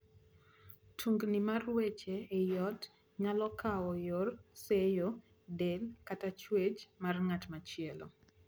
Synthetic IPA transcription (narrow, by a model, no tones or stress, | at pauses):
tʰuŋɡnimarwet͡ʃeːjɔt | ŋalɔkaɔjorsejo | delkatat͡ʃwet͡ʃmarŋatmat͡ʃɪɛlo̰